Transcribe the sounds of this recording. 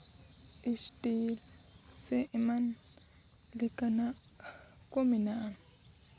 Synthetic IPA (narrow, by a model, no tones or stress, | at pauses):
ʔiʃtilseʔiman | likana | kominaːn